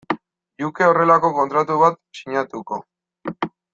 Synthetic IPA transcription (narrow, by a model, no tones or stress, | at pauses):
ʎuke̞o̞re̞lako̞ko̞nt̪ɾat̪uβat̪siɲat̪uko̞̰